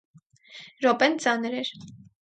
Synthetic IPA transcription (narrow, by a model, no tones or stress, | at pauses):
ɾɔpɛnt͡sɑnɾɛɾ